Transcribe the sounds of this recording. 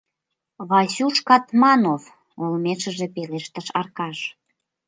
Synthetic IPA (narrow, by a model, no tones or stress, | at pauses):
βɑsuʃkɑt̪mɑnof | olmeʃə̆ʒĕpeleʃt̪əʃɑrkɑʃ